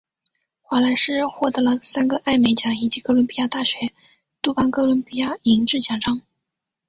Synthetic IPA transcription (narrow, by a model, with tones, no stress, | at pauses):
xwa˧˥la˧˥ɪʂɻ̩˥xwɔ˥˩t̪ɤ˧˥lə˧sa˥nɡə˨˦ʔa˥˩ɪme˧˥ɪt͡ɕjɑ˧˥ŋi˨˩t͡ɕi˧˥kɤ˥lwʊ˧˥npi˥ja˥˧t̪a˥˩ɕɥɛ˧˥ | t̪u˥˩pa˥nkɤ˥lwʊ˧˥npi˥ja˥i˧˥ŋʈ͡ʂɻ̩˥˩t͡ɕjɑ˨˩ŋʈ͡ʂɑ˥ŋ